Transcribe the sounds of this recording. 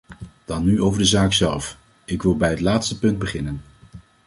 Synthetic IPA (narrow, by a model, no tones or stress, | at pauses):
d̥ɑnːyʔowvəɹdəzaːksɛlˠf | ɪkʋɪlˠbɛjɦətlaːtstəpɵnd̚bəχɪnən